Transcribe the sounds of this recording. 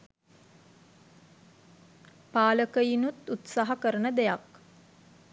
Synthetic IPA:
paːləkəjinut̪ut̪saːɦakəɾənəd̪ejak

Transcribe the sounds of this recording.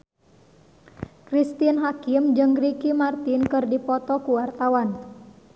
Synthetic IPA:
kɾist̪inɦakɪmd͡ʒɨŋɡɾikimart̪inkɨrdipɔt̪ɔkuwart̪awan

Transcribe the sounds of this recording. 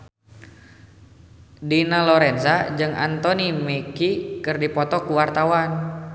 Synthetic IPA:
dinalɔɾɛnsad͡ʒɨŋa̰nt̪ɔnimɛkikɨrdipɔt̪ɔkuwart̪awan

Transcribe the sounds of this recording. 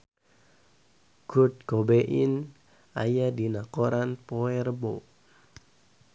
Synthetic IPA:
ɡ̥ut̪̚ɡ̥obeʔin | ajadinakɔɾanpɔɛrbo

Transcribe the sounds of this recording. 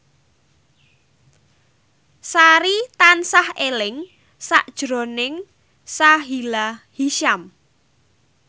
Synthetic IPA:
saɾit̪ansahelɪŋ | sa̰ʔd̥ʒ̥ɾonɪŋ | saɦilahiʃam

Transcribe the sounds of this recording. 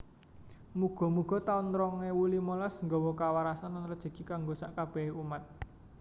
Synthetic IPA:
muɡ̥ɔ̤muɡ̥ɔ̤t̪aunɾɔŋewulimɔlɔsŋɡɔwɔkawaɾasannɾəd̥ʒ̥a̤ɡ̥i̤kaŋɡosaʔkab̥ɛhumat̪̚

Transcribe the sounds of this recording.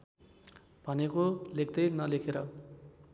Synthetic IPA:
b̥ʱʌnekolekʰd̪ʌjnʌlekʰeɾʌ

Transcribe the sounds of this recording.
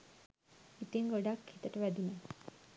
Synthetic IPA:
it̪iŋɡoɖakhit̪əʈəʋæd̪une

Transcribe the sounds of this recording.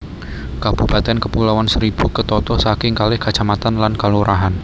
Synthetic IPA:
kab̥ubat̪ɛnkəpulawansəɾib̥ṳkət̪ɔt̪ɔsakɪŋkalɪhkat͡ʃamat̪anlankaluɾʔaɦan

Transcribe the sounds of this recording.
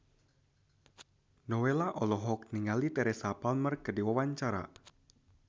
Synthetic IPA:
nɔwelaʔɔlɔɦɔk̚niŋalit̪ɛɾɛsapalmərkədiwawaɲt͡ʃaɾa̰

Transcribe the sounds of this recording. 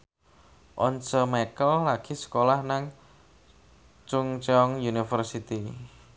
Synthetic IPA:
ʔɔnsɔmekəlːaɡ̥i̤sə̥kolahnaŋ | t͡ʃʊŋt͡ʃeɔŋjunifərsit̪i

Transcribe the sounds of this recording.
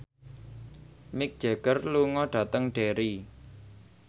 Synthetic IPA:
mɪk̚d̥ʒ̥e̤ɡ̥ərluŋɔɖ̥a̤t̪əŋɖ̥eɾi

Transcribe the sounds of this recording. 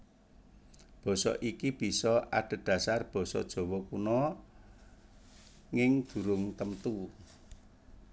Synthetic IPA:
b̥ɔ̤sɔ̰ʔikib̥i̤sɔaɖ̥ə̤d̪̥ä̤sarb̥ɔ̤sɔ̰d̥ʒ̥ɔ̤wɔkunɔ | ŋɪŋd̪̥ṳɾʊŋt̪əmt̪u

